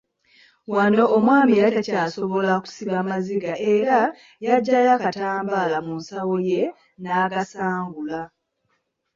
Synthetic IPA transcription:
wano̞ːmwaːmiɾatacaːso̞βo̞laku̥siβamaziɡaʔeɾa | jaɟːajakataːmbaːlamunsawo̞je̞ | naːkasaːŋɡula

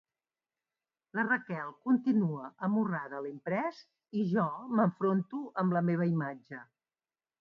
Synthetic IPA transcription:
lərəkɛlˠkunt̪inuəʔəmuraðəlimpɾɛz | iʒɔməɱfɾont̪uʔəmləmeβ̞əimad͡ʒə

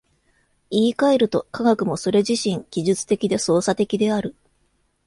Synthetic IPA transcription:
iːkae̞ɾɯ̟t̪o̞kaɡakɯ̟mo̞so̞ɾe̞ʑiɕĩŋɡʲiʑɨt͡sɨ̥t̪e̞kʲid̪e̞so̞ːsat̪e̞kʲid̪e̞aɾɯ̟

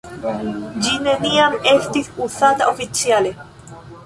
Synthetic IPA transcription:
d͡ʒineniamest̪isusat̪aʔofit͡sjale

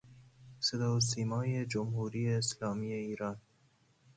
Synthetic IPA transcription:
sed̪ɑːs̬iːmɒːjed͡ʒomhuːɾiːeːslɒːmijeiːɾɑːn

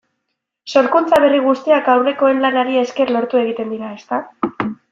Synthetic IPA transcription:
so̞ɾkunt͡saβe̞riɣ̞ust̪iakawre̞ko̞e̞nlanaɾie̞ske̞rlo̞ɾt̪ue̞ɣ̞it̪e̞nd̪iɾae̞st̪a

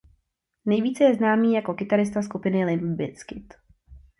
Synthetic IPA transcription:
nɛjviːt͡sɛjɛznaːmiːjako̞kɪt̪aɾɪst̪askupɪnɪlɪnbɪskɪt̪

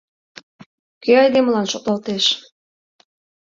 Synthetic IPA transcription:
køɑjd̪eməlɑnʃok̚lɑlt̪eʃ

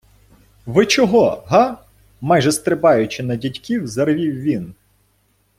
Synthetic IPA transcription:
ʋɪt͡ʃɔɦɔɦɑ | mɑjʒɛst̪ɾɪpɑjʊt͡ʃɪnɐdʲitʲkʲiwzɐrʋʲiwʋʲin

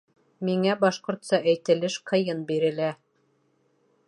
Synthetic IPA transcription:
miŋæbɑʃqŏɾt̪sɑʔæjt̪ɘ̆lɘʃqɤ̆jɤnbiɾɘ̆læ

